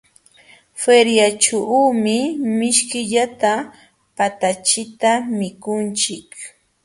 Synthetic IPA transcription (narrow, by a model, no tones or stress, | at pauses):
feɾjat͡ʃaumɪmɪʃkɪʎat̪a | pat̪at͡ʃɪt̪amɪkʊnt͡ʃɪk